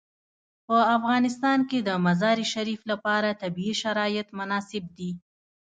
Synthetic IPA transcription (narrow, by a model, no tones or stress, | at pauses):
pəafɣɑnɪst̪ɑnked̪əmazɑɾiʃaɾiflapɑɾat̪abiːʃaɾɑjɪt̪mʊnɑsɪb̚d̪i